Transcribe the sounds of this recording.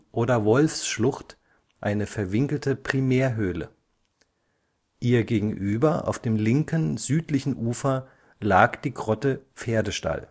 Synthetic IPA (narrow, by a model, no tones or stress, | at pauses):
ʔoːdɐvɔlfsʃlʊxt | ʔaɪnəfɛɐvɪŋkl̩təpʁ̥imeːɐɦøːlə̰ | ʔiːɐɡeːɡŋ̩ʔyːbɐʔa̰ʊfd̥eːmlɪŋkənzyːtlɪçn̩ʔuːfɐ | laːkd̥iːɡʁɔtəp͡feːɐdəʃta̰l